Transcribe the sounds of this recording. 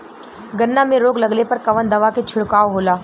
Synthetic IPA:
ɡɐnːamẽɾoːɡlɐɡlepɐɾkɐʋənd̪ɐʋaket͡ʃʰʊɽkaːoɦoːlaː

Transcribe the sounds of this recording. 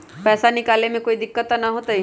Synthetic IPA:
pɛːsanɪkaːlemẽkoːid̪ɪkːət̪ːanaɦoːt̪ai

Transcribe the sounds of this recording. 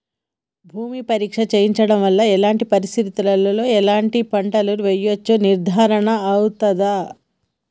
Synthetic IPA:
bʱuːmipɐɾiːkʂɐt͡ʃeːjiɲt͡ʃɐɽɐmʋɐlːɐɛlaːɳʈipɐɾisɾit̪ulɐlɐlo̞ːɛlaːɳʈipɐɳʈɐluɾuʋejːʋɐt͡ʃːuniɾd̪ʱaːɾɐɳɐːwut̪ɐd̪a

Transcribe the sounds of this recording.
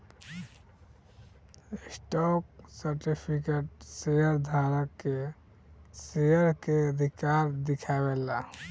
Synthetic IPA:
sʈɔk̚səɾʈipʰikeʈ̚sejəɾd̪ʱaɾəkːe | sejəɾkeəd̪ʱikaɾd̪ikʰabela

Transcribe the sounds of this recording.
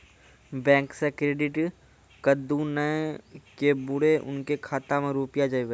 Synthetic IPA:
bɛ̃ːŋksekɾeːɖɪʈ | kəd̪ũnəkebʊɽeʔʊ̰nkekʰaːt̪amẽɾuːpɪjad͡ʒaiʋe

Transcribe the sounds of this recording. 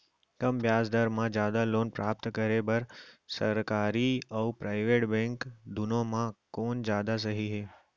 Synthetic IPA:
kɐmbjaːsd̪əɾmãd͡ʒjaːd̪aloːnpɾaːp̚t̪kəɾebɐɾsɐ̰ɾkaːɾiɔpɾaːɪʋeːʈbɛ̃ːŋkd̪ʊnõmãkoːnd͡ʒjaːd̪as̬ɐɦiɦeː

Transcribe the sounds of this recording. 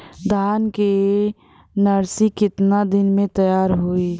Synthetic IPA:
d̪ʱaːnke | nəɾsikɪt̪nad̪ɪnmẽt̪əjaːɾɦoːi

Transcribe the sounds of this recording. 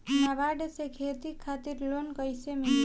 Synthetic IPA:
naʋaɖesekʰet̪ikʰːat̪iɾlonkʌjsemi

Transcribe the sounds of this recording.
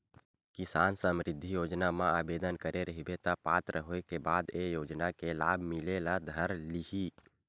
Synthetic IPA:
kisansəmɾɪd̪ʱːijoːd͡ʒnamãabed̪ənkəɾeɾəɦibet̪apat̪ɾəɦoekebad̪ejod͡ʒnakelabʱmilelad̪ʱəɾliɦi

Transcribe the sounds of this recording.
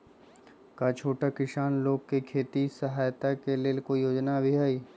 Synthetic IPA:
kat͡ʃʰoːʈakɪʃaːnloːɡ̚kekʰeːt̪isəɦaːjt̪akeleːlkoijoːd͡ʒnabʱiɦaːiː

